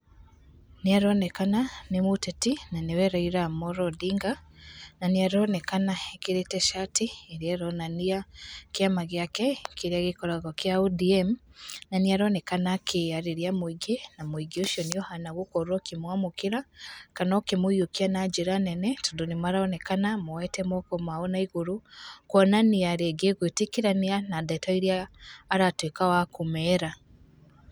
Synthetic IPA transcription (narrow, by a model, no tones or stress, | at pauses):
niaɾonɛkananimutɛtinaniwɛɾaiɾamoɾodiŋɡananiaɾonɛkanaekiɾetɛʃatiːɾiaɾonaniakjamaɣjakɛkiɾiaɣikɔɾaɣokjaudiemnaniaɾonɛkanakʰeaɾiɾjamwiɡenamwiɡioʃjɔnijɔhanaɣokɔɾuɔkimwamokiɾakanɔkemuiokianad͡ʒeɾanɛnɛtundonimaɾaɔnɛkanamɔwɛtɛmɔkɔmaɔnaiɣuɾukwɔnaniaɾeɡeɣwetekiɾanianadatɔiɾijaːɾatwekawakumɛɾa